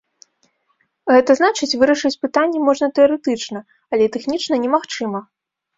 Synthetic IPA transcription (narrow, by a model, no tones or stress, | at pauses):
ɣɛt̪ɐznat͡ʂɨt͡sʲvɨɾɐʂɨt͡sʲpɨt̪anʲːɛmɔʐnɐt̪ɛɐɾɛt̪ɨt͡ʂnɐ | ɐlʲɛt̪ɛxnʲit͡ʂnɐnʲɛmaxt͡ʂɨmɐ